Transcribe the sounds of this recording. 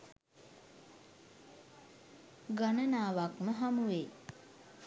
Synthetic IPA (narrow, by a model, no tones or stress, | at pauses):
ɡanənaːʋakməɦamuʋe